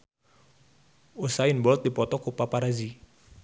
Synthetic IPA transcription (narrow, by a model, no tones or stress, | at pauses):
osainbɔlt̪̚dipɔt̪ɔkupapaɾazi